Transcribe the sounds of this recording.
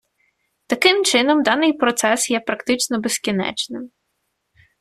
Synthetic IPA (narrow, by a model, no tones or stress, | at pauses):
t̪ɐkɪmt͡ʃɪnɔmd̪ɑnɪjpɾɔt̪sɛsjɛpɾɐkt̪ɪt͡ʃnɔbeskʲinɛ̰t͡ʃnɪm